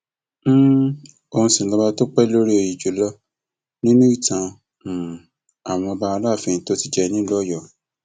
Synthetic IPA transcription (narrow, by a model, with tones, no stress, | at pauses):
o˧ũ˧si˨lɔ˧˦ba˧to˦k͡pɛ˦lo˦ɾi˦o˧ji˨d͡ʒo˨˦lɔ˦ | nĩ˦nũ˦i˦˨tã˧˨ | a˨w̃ɔ̃˧ba˧a˧la˦˨fĩ˧˦to˦ti˦d͡ʒɛ˦˧nĩ˦lɔ˦jɔ˨